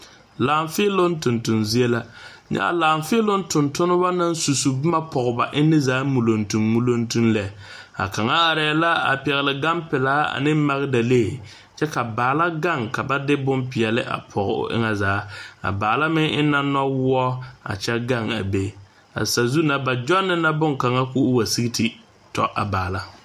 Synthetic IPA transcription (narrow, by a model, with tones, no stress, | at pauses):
laː˨ɱfɪ˦lo˦n˦tʊ˨ntʊ˨nzi˦e˦la˦ | ɲa̰˦a̰˨laː˨mfɪ˦lo˦n˦tʊ˨ntʊ˦nʊ˦ba˦na˦n˦su˨su˨bɪ˦ma˦pʰɔ˨ɣʊ˨ba˨ʔɪ˦nɪ˦zaː˨˦mu˨lo˨ntu˨mːu˦lo˦ntu˦nlɛ˨˦ | a̰˨ka˨ŋa˦a˨ɾɛː˨˦˨la˦a̰˨pɛ˨ɣɪ˨lɪ˨ɡa˦mpɪ˨laː˦a̰˨nɪ˦ma˨ɣɪ˦da˨leː˦˨ | t͡ʃɛ˦ka˨baː˨la˦ɡa˦˨ŋka˨ba˦dɪ˦bʊ˦mpɪ˨ɛ˨lɪ˦ʔa̰˨pʰɔ˨ɣʊ̰˨ʔɪ̰˦ŋa˦zaː˨˦a̰˨baː˨la˦mɪ˦ŋɪ˦na˦nɔ˦wʊ˦ɔ˦a̰˨t͡ʃɛ˦ɡa˦ŋa̰˨be˦ | a̰˨sa˨zu˦na˨ba˨d͡ʒɔ˦nːɪ˨na˦bʊ˦ŋka˨ŋa˦kʊ˦wa˨si˦ɡi˦tʰi˨ | tɔ̰˨ʔa̰˨baː˨la˦